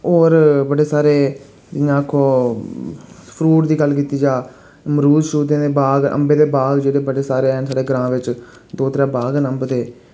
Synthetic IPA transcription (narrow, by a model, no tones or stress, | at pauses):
oːɾbəɽeːsaːɾeː | dɪjãːkʰoː | pʰɾuːʈd̪iːɡəlkiːt̪iːd͡ʒaː | məɾuːd͡ʒʃuːd̪ẽːd̪eːbaːɡʔə̰̃mbeːd̪eːbaːɡd͡ʒeːɽeːbəɽeːsaːɾeːɛnsaːɽeːɡəɾãːʋɪt͡ʃ | d̪oːt̪ɾãːbaːɡnəmbd̪eː